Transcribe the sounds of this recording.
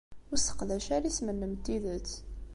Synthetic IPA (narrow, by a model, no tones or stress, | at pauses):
ʊɾsə̥qlæʃæɾismənːəmt̪ːiðət͡sː